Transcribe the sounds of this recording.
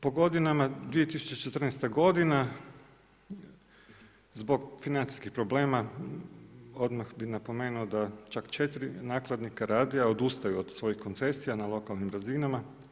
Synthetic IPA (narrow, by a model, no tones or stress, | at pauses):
po̞ɡo̞d̪inamad̪ʋije̞t̪isu̥t͡ʃet͡ʃet̪r̩nɛst̪aɡo̞d̪ina | zbo̞ɡfinant̪si̥skixpɾo̞ble̞ːma | od̪maxbinapo̞me̞ːnuod̪at͡ʃakt͡ʃe̞t̪ɾinaːklˠad̪nikaɾaːd̪iao̞d̪ust̪ajuod̪sʋo̞jixko̞nt̪se̞sijanalˠo̞kalnimɾazinama